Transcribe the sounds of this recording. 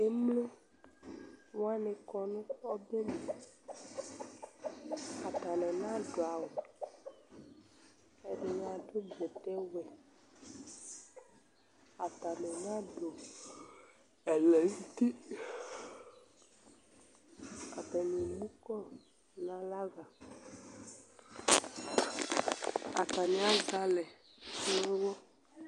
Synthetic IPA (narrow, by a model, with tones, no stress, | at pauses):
e˦mlo˦ | wo˦a˦ne˨kɔ˨nũ˦ɔ˦be˦mẽ˨ | a˨t̪a˨nɛ̃˨nã˦ɖo˨a˨wo˨ | e˨ɖe˨ɲ˨a˨ɖo˦d͡ʒɛ˨t̪ɛ˦wɛ˨ | a˨t̪a˨nɛ̃˨nã˦ɖo˨ | ɛ˨lɛ˨ni˦ti˦ | a˨ta˨ni˨mũ˦kɔ˦ | nã˨la˦ɡa˨ | a˨ta˨nĩ˨˦a˦ɡa˨lɛ˨˦ | wɔ˦